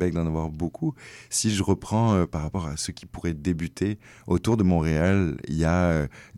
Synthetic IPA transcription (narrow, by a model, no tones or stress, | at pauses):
bɛk̚d̪ɑ̃navwaʁbokʰusiʒəʁəpχɑ̃øpaʁːapɔʁasəkʲʰi̥puʁɛd̪ebyt̪ʰe | ot̪uʁd̪əmɔ̃ʁealḭjaø